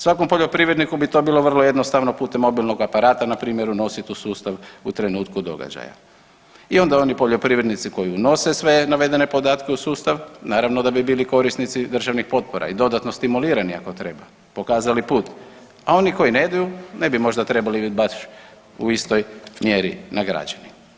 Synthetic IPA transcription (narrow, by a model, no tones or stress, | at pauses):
sʋako̞mpoʎʲo̞pɾiʋɾed̪nikubit̪o̞ːbiːlo̞ʋər̩loje̞d̪no̞st̪aʋno̞puːt̪emːo̞bilˠno̞ɡapaɾaːt̪anapɾiːmjeɾuno̞sɛt̪uːsuːst̪aʋut̪ɾe̞nuːt̪kud̪o̞̰ɡa̰d͡ʑa̰ja̰ | io̞nd̪ao̞nipo̞ʎo̞pɾiʋɾed̪nit̪siko̞jiuno̞se̞sʋe̞naʋe̞d̪e̞ne̞po̞d̪aːt̪ke̞usuːst̪aʋnaːɾaʋnod̪abibiːliko̞ɾisnit̪sid̪r̩ʒaʋnixpo̞t̪̚poɾʔa̰id̪o̞d̪at̪no̞st̪imuliːɾania̰ko̞t̪ɾe̞ba | po̞kaːzalipuːt̪ | ao̞niko̞jine̞d̪ajune̞bimo̞ʒd̪at̪ɾe̞balibibaʃ | uist̪o̞jmjeɾinaɡɾa̰d͡ʒani